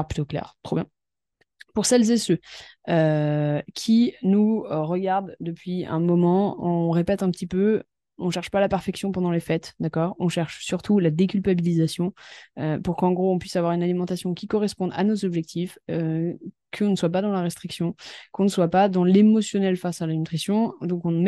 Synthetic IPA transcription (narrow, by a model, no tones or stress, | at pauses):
ʁplyt̪oklɛ̰ʁt̪χoɔbjɛ̃ | puʁsɛlzesøø | kʲʰinuʁəɡaʁd̪ːəpɥiɛ̰̃mɔmɑ̃ɔ̃ʁepɛt̪ɛ̃pət̪ipø | ɔ̃ʃɛʁʃpalapɛʁfɛksjɔ̃pɑ̃d̪ɑ̃lefɛt̪d̪akɔːʁɔ̃ʃɛʁʃsyʁt̪ʰulad̪ekʲylpabilizasjɔ̃øpuʁkɑ̃ɡʁoɔ̃pɥisavwaʁynalimɑ̃t̪asjɔ̃kʲikɔʁɛspɔ̃d̪a̰nozɔbʒɛk̚t̪ʰifø | kʰəɔ̃nəswapad̪ɑ̃laʁest̪χiksjɔ̃kɔ̃nəswapad̪ɑ̃lemɔsjɔnɛlfasalanyt̪χisjɔ̃d̪ɔ̃kɔ̃